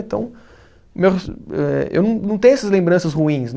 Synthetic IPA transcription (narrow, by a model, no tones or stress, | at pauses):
ẽt̪ɐ̰̃w̃ | meweɛḛwnɐ̃w̃nɐ̃w̃t̪ẽj̃ɛsɐzlẽmbɾɐ̃sɐzʁuĩsn